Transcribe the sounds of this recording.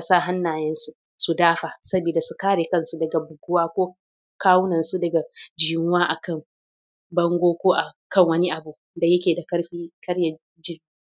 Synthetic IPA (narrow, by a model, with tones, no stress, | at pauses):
a˨saː˦ɦa˦nːaː˨jɛ˦nsu˦ʔ | su˨daː˦ɸaː˨sɐ˦biː˨da˨su˨kaː˦ɽeː˨kɐ˦˨nsu˦dɐ˨ɡa˨bʊ˨ɡʊ˦waː˦kʷoː˦ | kaː˦wʊ˦nɐ˨nsu˦dɐ˨ɡa˨d͡ʒiː˨mʊ˦waː˦ʔa˨kɐ˦˨ŋ | bɐ˦ŋɡʷoː˦kʷoː˦ʔa˨kɐ˦˨ŋwɐ˦ni˦ʔa˨bu˨ | da˨jɐ˦kʲeː˨da˨kɐ˦ɽɸiː˦kɐ˦ɽjɐ˨ | d͡ʒɪ˦˨˦